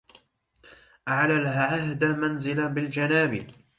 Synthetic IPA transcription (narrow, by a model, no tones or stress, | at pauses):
ʔaʕlalhʕahd̪amanzɪlabɪld͡ʒanaːbɪ